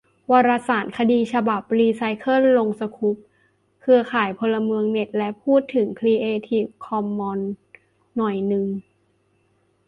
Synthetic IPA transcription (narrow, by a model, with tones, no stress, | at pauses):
waː˧ɾa˧saː˩˦nkʰa˧diː˧t͡ɕʰa˧ba˨˩p̚liː˧sa˧jkʰɤ˥˨llo˧ŋsa˧kʰu˦˥p̚ | kʰɯ˧ɐkʰaː˨˩˦jpʰo˧lːa˧mɯ˧əŋne˨˩t̪̚lɛ˦˥pʰuː˥˩t̪ʰːɯ˩˦ŋkʰliː˧ʔeː˧t̪ʰiː˧˩p̚kʰɔ˧mːɔː˧nː | ɔ˨˩jnɯ˨˩ŋ